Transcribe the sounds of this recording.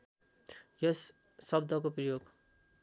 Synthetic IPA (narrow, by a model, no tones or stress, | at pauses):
jʌs | sʌbd̪ʱʌkoprʌjoɡ